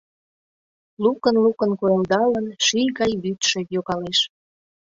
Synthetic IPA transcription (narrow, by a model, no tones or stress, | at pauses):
lukə̆nlukənkoeld̪ɑlənʃijɣɑjβyt̪ʃĕjoɣɑleʃ